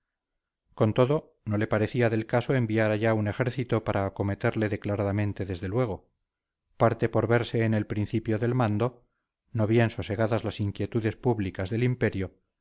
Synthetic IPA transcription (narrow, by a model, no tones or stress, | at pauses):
ko̞nt̪o̞ðo̞ | no̞le̞paɾe̞θiaðe̞lkasoe̞mbiaɾaʝaune̞xe̞ɾθit̪o̞paɾʔaːko̞me̞t̪e̞ɾle̞ðe̞klaɾaðamẽ̞nt̪e̞ðe̞zðe̞lwe̞ɣ̞o̞ | paɾt̪e̞po̞ɾβe̞ɾse̞ːne̞lpɾinθipjo̞ðe̞lmãnd̪o̞ | no̞βje̞nsose̞ɣ̞aðazlasiŋkje̞t̪uðe̞spuβlikazðe̞limpe̞ɾjo